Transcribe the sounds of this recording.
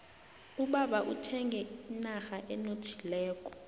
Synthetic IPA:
uɓaɓaʔutʰɛŋɡʱɛinaxaʔɛnotʰi̥lɛːk̬ʼɔ̥

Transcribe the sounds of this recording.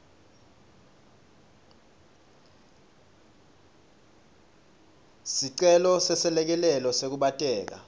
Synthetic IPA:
siǀɛlɔsɛsɛlɛk̬ɛlɛlɔsek̬uɓatʼɛːk̬a̰

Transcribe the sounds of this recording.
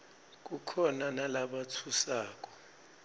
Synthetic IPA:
k̬ukʰɔnanalaɓatʰusaːk̬ʼɔ̥

